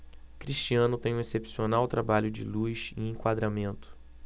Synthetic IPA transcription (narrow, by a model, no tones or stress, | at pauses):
kɾiʃt͡ʃiɐ̃nʊt̪ẽj̃ũesepsionawt̪ɾabaʎʊd͡ʒɪ̰lujʃḭ̃ẽkwad̪ɾamẽnt̪ʊ̥